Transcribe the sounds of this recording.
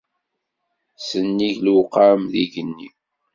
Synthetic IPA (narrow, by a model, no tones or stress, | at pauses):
sənːiʝlqamðiʝənːḭ